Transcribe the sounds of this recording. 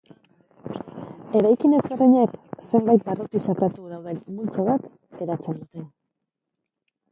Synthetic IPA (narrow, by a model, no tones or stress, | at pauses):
e̞ɾajkine̞zβe̞rðiɲekse̞mbajt̪̚barut̪isakat̪uðawðe̞nmult͡saβat̪ | e̞ɾat͡se̞nd̪ut̪e̞